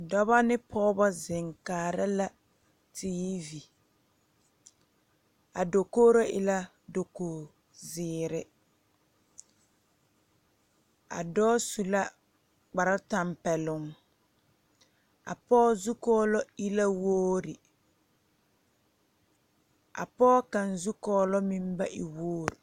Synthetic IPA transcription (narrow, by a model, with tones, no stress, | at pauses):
dɔ˦βa˦nɪ˦pʰɔː˦bɔ˦zɪ˨ŋkaː˨ɾɪ˦la˦ | tʰiː˦vi˨ | a˨do˨koː˦ɾo˦ʔɪ̰˦la˦ | do˨koː˨ | zɪː˨ɾɪ˨ | a̰˨dɔː˦su˨la˦ | k͡pa˨ɾa˦ta˨mpɛ˨lʊ˨ŋ | a̰˨pɔː˦zu˦kɔː˦lɔ˦i˦la˦woː˦ɾɪ˨ | a̰˨pɔː˦ka˨nzu˦kɔː˦lɔ˦mi˦m˦ba˦ʔi˨woː˦ɾ